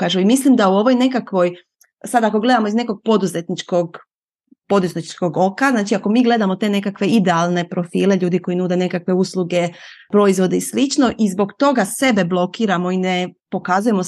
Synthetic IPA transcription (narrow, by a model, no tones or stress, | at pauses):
kaːʒuimislimd̪auo̞ʋojne̞kakʋo̞j | sad̪ako̞ɡle̞d̪amoizne̞ko̞ɡ̚po̞d̪uze̞t̪nit͡ʃkoɡ | po̞d̪uzet̪t͡ʃko̞ɡo̞kaznaːt͡ʃiako̞miːɡle̞d̪amot̪e̞ne̞kakʋe̞id̪e̞alˠne̞pɾo̞fiːle̞ʎuːd̪iko̞inuːd̪e̞ne̞kakʋe̞uslˠuɡe̞pɾo̞izʋo̞d̪eslit͡ʃno̞ʔizbo̞ɡt̪o̞ɡase̞be̞blˠo̞kiːɾamo̞ine̞po̞kazuje̞mo